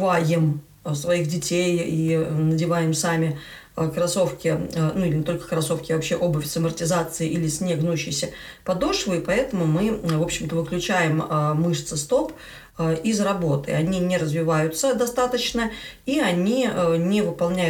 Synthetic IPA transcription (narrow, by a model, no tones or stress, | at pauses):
vajɪm | svɐixdʲɪtʲejinədʲɪvajɪmsamʲɪ | kɾɐso̞fkʲɪnuilʲɪnʲɪt̪o̞lʲkə̥kɾɐso̞fkʲɪvɐpɕːeʔo̞bʊfʲsəmərtʲɪzat̪sɨɪʔilʲɪsʲnʲeɡnuɕːɪjsʲəpɐd̪oʂvɨɪpɐɛt̪əmʊmɨvo̞pɕːɪmt̪əvɨklʲʉt͡ɕæjɪməːɨʂt̪sɨst̪o̞p | əizrɐbo̞t̪ɨ̰ɐnʲinʲɪɾəzvʲɪvajʊt̪səd̪ɐst̪at̪ət͡ɕnəiɐnʲiənʲɪvɨpɐlˠnʲæ